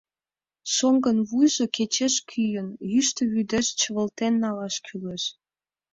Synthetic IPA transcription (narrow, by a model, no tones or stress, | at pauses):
ʃoŋɡənβujʒoket͡ɕeʃkʰyjənjyʃt̪ə̆βyd̪eʃt͡ɕə̆βəlt̪enːɑlɑʃkʰyleʃ